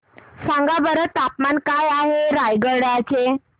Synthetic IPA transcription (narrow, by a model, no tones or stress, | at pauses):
sãŋɡabəɾət̪ːapmankajaɦeɾajɡəɽat͡ɕe